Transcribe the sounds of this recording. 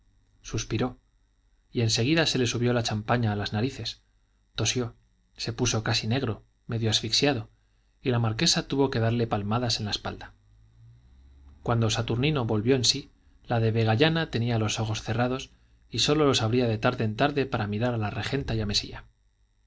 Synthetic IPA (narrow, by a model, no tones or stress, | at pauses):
suspiɾo̞ | ie̞nse̞ɣ̞iðase̞le̞suβjo̞lat͡ʃampaɲaːlaznaɾiθe̞s | t̪o̞sjo̞ | se̞puso̞kasine̞ɣɾo̞ | me̞ðjoasfiksjaðo | ilamaɾke̞sat̪uβo̞ke̞ðaɾle̞palmaðase̞nlaespa̰ld̪a | kwand̪o̞sat̪uɾnino̞βo̞lβjo̞ensi | laðe̞βe̞ɣ̞aʝanat̪e̞nialo̞so̞xo̞sθe̞raðo̞s | iso̞lo̞lo̞saβɾiaðet̪aɾðe̞ːnt̪aɾðe̞paɾamiɾaɾalare̞xe̞nt̪ajame̞sḭa